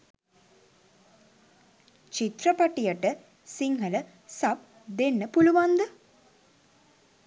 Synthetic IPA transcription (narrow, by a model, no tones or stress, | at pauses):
t͡ʃit̪rəpaʈijəʈə | siŋɦələ | sap̚ | d̪enːəpuluʋand̪ə